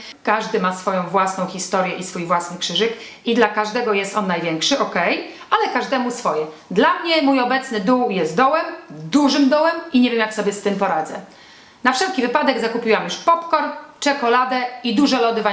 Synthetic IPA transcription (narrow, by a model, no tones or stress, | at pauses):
kaʐd̪ɘmasfɔjɔ̃w̃vwasnɔ̃w̃xʲist̪ɔɾʲjɛʔisfujvwasnɘkʂɘʐɘk | id̪lakaʐd̪ɛɡɔjɛst̪ɔnːajvʲjɛŋkʂɘʔɔkɛj | alɛkaʐd̪ɛmusfɔjɛd̪lamɲɛmujɔbɛt̪snɘd̪uwjɛst̪̚d̪ɔwɛmd̪uʐɘmd̪ɔwɛmiɲɛvʲjemjaksɔbʲjɛst̪ɘmpɔɾad̪zɛ̰ | nafʂɛlkʲivɘpad̪ɛɡzakupʲiwamjuʂpɔpkɔɾt͡ʂɛkɔlad̪ɛid̪uʐɛlɔd̪ɘva